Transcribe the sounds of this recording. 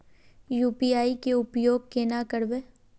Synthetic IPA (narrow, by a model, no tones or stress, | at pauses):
juːpiaːikeʊpjoːɡ̚kenakəɽbeː